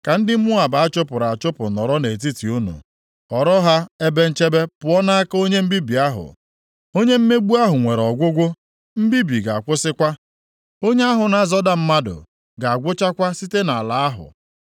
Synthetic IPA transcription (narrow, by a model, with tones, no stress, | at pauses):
ka˨n̩˦dɪ˦m̩˦mʊ˦a˨ba˨a˦t͡ʃo˦pʊ˨ɾa˨a˨t͡ʃo˦pʊ˨nɔ˨ɾɔ˦ne˨t̬i˦ti˨u˦nṵ˨ | ɔ˨ɾɔ˦ɦa˦e˦be˦n̩˦t͡ʃe˦be˦pʊ˨ɔ˦na˦a˦ko˦ɲe˦m̩˦bi˦bi˨a˦ɦʊ̰˨ | o˦ɲe˦m̩˦me˦ɡ͡bu˦a˦ɦʊ˨ŋʷe˨ɾɔ˨ɡʷʊ˦ɡʷʊ˦ | m̩˦bi˦bi˨ɡa˨a˨kʷʊ˦sɪ˦kʷa˦ | o˦ɲe˦a˦ɦʊ˨na˨zɔ˦da˦m̩˦ma˦dʊ̰˨ | ɡa˨a˨ɡʷʊ˦t͡ʃa˦kʷa˦si˦te˦na˨a˨la˨a˦ɦʊ̰˨